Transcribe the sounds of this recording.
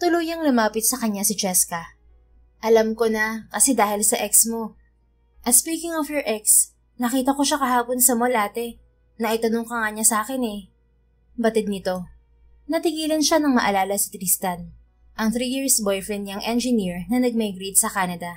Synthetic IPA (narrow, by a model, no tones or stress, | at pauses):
t̪ʊluːjɐŋlʊmaːpɪt̪̚sɐkɐɲasɪt͡ʃɛskɐ | ʔɐlamkonɐkɐsɛd̪aːhɪlsɐʔɛksmo̞ | ʔɐt̪spiːkɪŋɔfjɔɹʔɛks | nɐkiːt̪ɐko̞ʃakɐɦaːponsɐmolʔaːt̪ɛ | nɐʔɪt̪ɐnoŋkɐŋɐɲasaːkɛnɛ | bɐt̪ɪd̪̚nɪt̪o̞ | nɐt̪ɪɡiːlɐnʃanɐŋmɐ̰ʔɐlaːlɐsɪ̥t̪ɾist̪ɐn | ʔɐŋθɾijiɹsbojfɹɛnɲɐŋʔɛnd͡ʒɪniɹnɐnɐɡ̚mɐjɡɾit̪̚sɐkaːnɐd̪ɐ